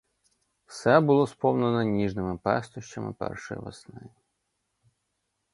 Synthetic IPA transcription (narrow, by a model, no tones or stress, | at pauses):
wsɛbʊlˠɔspɔwnɐnɔnʲiʐnɪmɪpɛ̰st̪ʊʃt͡ɕɐmɪ̰pɛ̰rʂɔjḭʋɐsnɪ